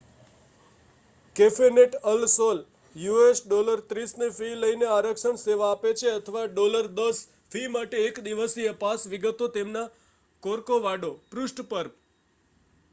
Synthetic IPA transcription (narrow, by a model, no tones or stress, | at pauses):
kefeneʈəlsol | juesɖoləɾt̪ɾisnefiləineaɾəkʃəɳseʋaːpet͡ʃʰeət̪ʰəʋaɖoləɾd̪əs | fimaʈeːkd̪iʋəsiəpasʋiɡət̪ot̪emna | koɾkoʋaɖopɾusʈpəɾp